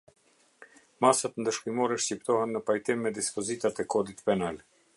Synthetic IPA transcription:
masat̪ənd̪əʃkimɔɾɛʃcipt̪ɔhɛnːəpajt̪imːɛd̪ispɔzit̪at̪ɛkɔd̪it̪pɛnal

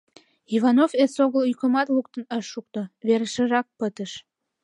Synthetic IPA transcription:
ivɑnofesoɣəlykə̆mɑt̪luk̚t̪ənəʃːuk̚t̪oβeɾəʃə̆rɑk̚pət̪əʃ

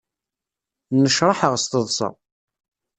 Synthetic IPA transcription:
nəʃɾˤɑħəʁst̪əðˤsɑ̰

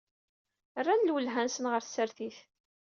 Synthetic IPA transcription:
rːænlwəlɦænsənʁəɾθsəɾθiθ

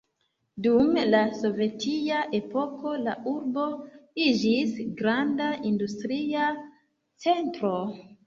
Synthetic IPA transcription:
dumlaso̞ve̞tʰiaʔe̞po̞ko̞la̰ʔuɾbo̞id͡ʒisɡɾandaʔindustɾia | t͡se̞ntɾo̞

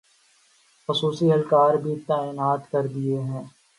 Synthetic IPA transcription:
xʊsuːsiɦɐlkaːɾbʱit̪aːɪnaːt̪kɐɾd̪ieɦɛ̃ː

